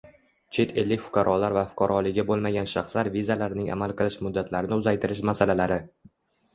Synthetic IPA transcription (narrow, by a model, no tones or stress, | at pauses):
t͡ʃʰe̞t̪ʰe̞lːɪkʲfʊ̥qʰɑɾʔɒlaɾvafʊ̥qʰɑɾʔɒlɪabolˠmaɡʲanʃɑχslaɾvizalaɾnɪŋa̰malˠqɨlˠɪʃmʊd̪ːat̪laɾɪnɪʊzajt̪ʰɪɾɪʃmasalalaɾɪ